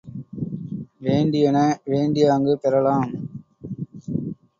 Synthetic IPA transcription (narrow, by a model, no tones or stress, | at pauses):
ʋeːɳɖɪjɐnɐʋeːɳɖɪjaːŋɡɯpɛɾɐlaːm